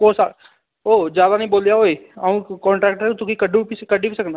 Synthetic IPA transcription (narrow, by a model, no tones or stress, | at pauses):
koːsa̰ː | oːd͡ʒjaːd̪aːnəĩːboːljaːɦoːiːaũːkɔ̃ːɳʈɾɛːk̚ʈɛt̪ʊkikəɖũpiskəɖiːpiːsəkənd̪a